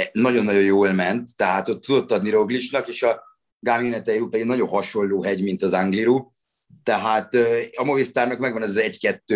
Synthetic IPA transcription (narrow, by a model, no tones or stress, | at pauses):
nɒɟo̞nːɒɟo̞jjoːlmɛnt̪ːɛɦaːt̪o̞t̪ːud̪o̞t̪ːɒd̪niɾo̞ɡliʃnɒkeːʃɒ | ɡaːmionɛt̪ɛjuːpɛd̪iɡnɒɟõ̞ɦɒʃo̞lːoːɦɛɟmint̪ɒzaŋɡliɾuː | t̪ɛɦaːt̪øɒmo̞vist̪aːrnɒkmɛɡʋɒnɛzzɛɟkɛt̪ːøː